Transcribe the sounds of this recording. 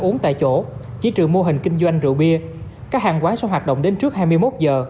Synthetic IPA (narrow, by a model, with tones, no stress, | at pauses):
ʔu˨˦əŋt̪a̰ː˧˨jt͡ɕo˧˩ | t͡ɕḭ˧˥t͡ɕɨ˨˩əŋmo˧ɦï˨˩ŋ̟kï˧ŋ̟zwa˧jŋ̟zɨ̰˧˨ɓi˧ə | kaː˦˥k̚haː˨˩ŋkwaː˨˦swɦwaː˨˩t̚ɗə̰˧˨wŋ͡mɗe˨˦nt͡ɕɨ˦˥ək̚haː˧jmɨ˧jmo˦˥t̚zəː˨˩